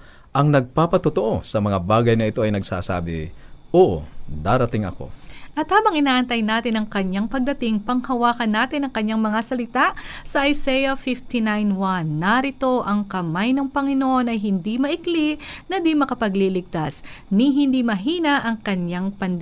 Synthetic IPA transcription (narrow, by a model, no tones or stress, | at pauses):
ʔɐŋnɐɡ̚papɐt̪ot̪oʔo̞sɐmɐŋabaːɡɐjnɐɪt̪o̞ʔɐjnɐɡsa̰ːsa̰ːbɪ̰ʔoːʔo̰d̪aːɾɐt̪ɪŋɐ̰ko̞̰ʔɐt̪haːbɐŋʔɪnaːʔɐnt̪ɐjnaːt̪ɪnɐŋkɐɲaŋpɐɡ̚d̪ɐt̪ɪŋpɐŋhɐwaːkɐnːaːt̪ɪnɐŋkɐɲːaŋmɐŋasɐlɪt̪aʔsɐʔɐjsɛjɐfɪft̪inajnwanːɐɾɪt̪o̞ʔɐŋkɐmajnɐŋpɐŋɪnoʔo̞nɐjɦɪnd̪imɐʔɪkliʔnɐd̪imɐkɐpɐɡlilɪɡ̚t̪asniɦɪnd̪imɐɦiːnɐʔɐŋkɐɲaŋpɐnd̪